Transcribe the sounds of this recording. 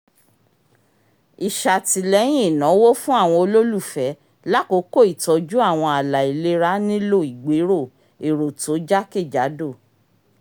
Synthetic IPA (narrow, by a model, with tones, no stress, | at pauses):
i˨ʃa˨ti˨˧lɛ˦j̃ĩ˦˨nã˨˦wo˦fũ˦a˦˨w̃ɔ̃˧o˧lo˦lu˦˨fɛ˨˦ | la˦ko˨˦ko˦˨i˨tɔ˧d͡ʒu˦a˦˨w̃ɔ̃˧a˨la˨i˨le˧ɾa˦nĩ˦lo˦˨i˨ɡ͡be˨˦ɾo˦˨ | e˨ɾo˨to˨˦d͡ʒa˦ke˦˨d͡ʒa˨˦do˦˨